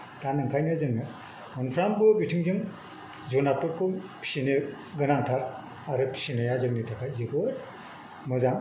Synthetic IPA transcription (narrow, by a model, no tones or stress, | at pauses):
tanɯŋkʰajnɯzɯŋɯ | mɔnpʰɾambɯbitʰɯŋzɯŋ | zonapɯɾkʰopʰi̥sine | ɡɯnaŋtʰaɾ | aɾɯpʰi̥sinajazɯŋnitʰakʰajzɯkoɾ | mɯzaŋ